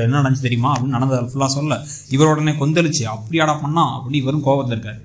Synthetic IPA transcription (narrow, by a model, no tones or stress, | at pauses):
ɛnːɐnɐɽɐɲd͡ʒɯt̪ɛɾɪjʊmaːɐpːɐnnɐɽɐnd̪ðalfʊlːaːsɔlːɐ | ɪʋɐɾoːɽɐnːeːkɔnd̪ɛlɯt͡ʃːɯɐpːɐɽiɐːɽaːpɐɳːãːɐ̰pːɐɽiːʋɐɾɯmkoːʋɐʋɐt̪ːɪlɪɾɯkːaːɾ